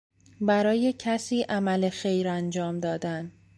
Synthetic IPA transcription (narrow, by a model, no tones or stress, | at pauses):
bæɾɒːje̞cʰæsiːʔæmæle̞xe̞jɾænd͡ʒɒːmd̪ɒːd̪æn